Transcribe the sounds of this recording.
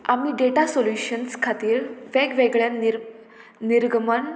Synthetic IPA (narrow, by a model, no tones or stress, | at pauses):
am̤iːɖeʈasoljuɕənskʰat̪iːɾʋeɡʋeɡɭja | niɾɡəməɳ